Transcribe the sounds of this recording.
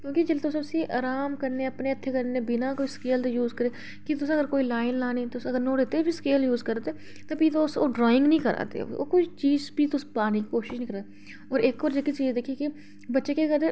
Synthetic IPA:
kjõːkid͡ʒɪlt̪ʊsʊsiʔa̰ːɾaːmkəɾneːəpneət̪ʰːeːkəɾnẽːbɪnaːkoːiskeːlt̪ejuːzkəɾeː | kit̪ʊsəɡəɾkoːiːlaːɪnlaːneːt̪osəɡəɾnõːɽeːt̪ebʱiskeːljuːzkəɾt̪eː | t̪apiːt̪oʊsoːɖɾaːɪ̃ŋɡnəĩːkəɾa̰ːt̪ḛːo̰ːkʊt͡ʃʰt͡ʃiːzbiːt̪ʊspaːnikikoːʃɪʃnĩkəɾaːe | ɔːɾeːkɔːɾd͡ʒɪkit͡ʃiːzd̪eːkʰieːki | bətːʃeːkeəɡəɾ

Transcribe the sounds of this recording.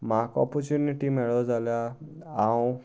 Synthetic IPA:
makɔ̰pɔɾt͡ʃjuniʈimeɭɔd͡zalja | aw̃

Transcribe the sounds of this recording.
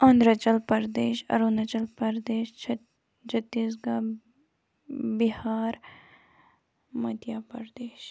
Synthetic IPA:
ɐ̃nd̪ɾət͡ʃəlpɐɾd̪eːʃɐ̰ɾunət͡ʃəlpɐɾd̪eːʃʰ | t͡ʃʰɐt̪ːiːs̬ɡaː | bihaːɾ | mɐd̪jaːpɐɾd̪eːʃ

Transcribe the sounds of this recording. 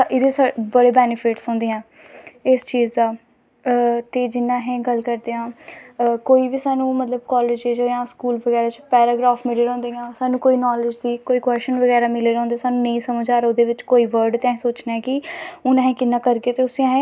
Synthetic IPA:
ʔɪd̪eːsabəɽeːbɛːnɪpʰɪʈsɦɔ̃ːnd̪eːãː | ɪst͡ʃiːzaː | t̪eːd͡ʒɪnːãːɦɛ̃ːɡəlkəɾd̪eːãː | koːiːbiːsaːnũːmət̪ləb̚kɔːleːd͡ʒed͡ʒojãːskuːlʋəɡɛːɾaːt͡ʃpɛːɾaːɡɾaːfmɪleːɾɛ̃ːnd̪eːãːsaːnũːkoːiːnɔːlɪd͡ʒd̪iːkoːiːkwɛːsʈənʋəɡɛːɾaːmɪleːɾ̃ɔ̃nd̪eːsaːnũːnəĩːsəməd͡ʒaːɾod̪eːʋɪt͡ʃkoːiːʋəɾɖt̪ɛ̃ːsoːt͡ʃnaɛːkɪʊnãːɦɛ̃ːkɪnːãːkəɾɡeːt̪eːʊsĩãːɦɛ̃ː

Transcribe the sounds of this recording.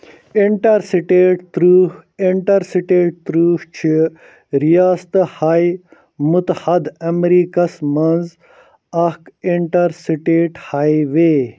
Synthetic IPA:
iɳʈɐɾsiʈeːʈt̪ɾuːiɳʈɐɾsiʈeːʈ̚t̪ɾuːht͡ʃʰi | ɾijaːst̪ɐhaj | mut̪hɐd̪ɐmɾiːkɐsmɐnz | ɐhkiɳʈɐɾsiʈeːʈhaːjʋeː

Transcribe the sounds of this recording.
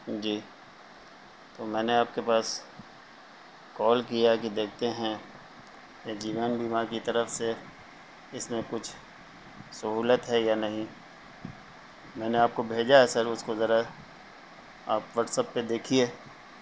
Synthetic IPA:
d͡ʒiː | t̪oːmɛ̃ːneaːp̚kepaːs | kɔːlkijakid̪eːk̚ʰt̪eɦɛ̃ | ed͡ʒiːʋənbiːmaɾkit̪ɐɾəfse | ɪsmẽkʊt͡ʃʰ | sɐɦuːlət̪ɦɛjanɐɦĩ | mɛ̃ːneaːp̚kobʱeːd͡ʒaɦɛsɐɾʊskozɐɾa | aːpʋɐʈsəpːed̪eːkʰieː

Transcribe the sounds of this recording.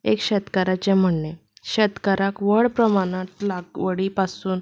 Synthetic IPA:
ekɕɛt̪kaɾat͡ɕẽm̤əɳne | ɕɛt̪kaɾakʋəɭpɾəmanat̪laɡʋəɽipasuːn

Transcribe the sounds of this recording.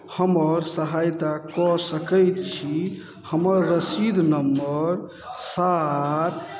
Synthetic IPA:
həməɾsəɦajt̪akɔsəkəjt̪t͡ʃʰi | həməɾːəsid̪ʱnəmbəɾ | sat̪

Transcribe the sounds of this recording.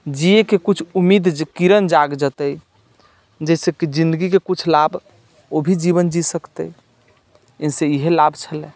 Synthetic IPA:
d͡ʒiekekut͡ʃʰumid̪kiɾənd͡ʒaɡd͡ʒət̪əj | d͡ʒɛsekid͡ʒĩnd̪əɡikekut͡ʃʰlab | obʱid͡ʒiβənd͡ʒisəkt̪ə | eseiɦelabt͡ʃʰəlɛ̃

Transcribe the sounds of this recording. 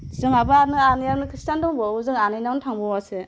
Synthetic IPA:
zɯŋabaaɾnɯanijaɾnɯkʰɾistandɔŋbɔuzɯŋanɯjnaŋnɯtʰaŋbɔwasɯ

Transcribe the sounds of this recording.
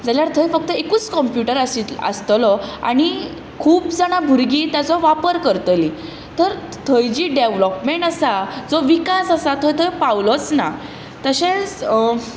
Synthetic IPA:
d͡zaljaɾt̪ʰəjfək̚t̪əekuːt͡skɔmpjuʈəɾasə̰st̪lɔa̰ɽ̃i | kʰuːpd͡zaɽ̃abʱuɾɡiːt̪jat͡sɔʋapəɾkəɾt̪əli | t̪əɾ | t̪ʰəjd͡ʑiːɖeʋlɔpmẽɳʈasad͡zɔʋikasasat̪ʰɔjt̪ʰəjpawlɔt͡sna | t̪əɕẽs

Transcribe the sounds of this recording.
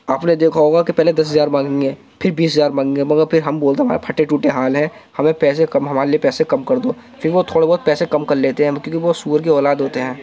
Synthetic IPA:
aːpned̪eːkʰaɦoːɡakipɛɦled̪ɐs̬ɦɐzaːɾmãːɡẽŋeː | pʰɪɾbiːsɦɐzaːɾmãːŋɡẽŋɡemɐɡəɾpʰɪɾɦɐmboːlt̪eɦɐmaːɾepʰɐʈeʈuːʈeɦaːlɦɛ̃ː | hɐmẽpɛːsekɐmɦɐmaːɾeliepɛːsekɐmkɐɾd̪oː | pʰɪɾʋot̪ʰoːɽebɔːt̪̚pɛːsekɐmkɐɾleːt̪eɦɛ̃kjõːkiʋosuːəɾkiɔːlaːd̪ɦoːt̪eɦɛ̃ː

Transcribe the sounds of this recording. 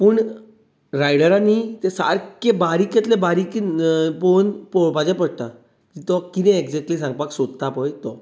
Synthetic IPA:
pəːɳ | ɾajɽəɾanit̪ɛ̃sa̰ɾkebaɾikjet̪lebaɾikponpɔpad͡ʑɛ̃pəɽt̪a | k̪it̪ɔkit̪ɛ̃ekd͡zɛk̚ʈliːsãŋɡ̚paksod̪̚t̪apɔjt̪ɔ

